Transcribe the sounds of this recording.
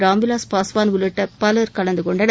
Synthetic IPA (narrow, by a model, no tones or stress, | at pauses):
ɾaːmʋɪlaːspaːsʋaːnʋʊlɪʈːɐpɐlɐɾkɐɭɐnd̪ɯkɔɳɖɐn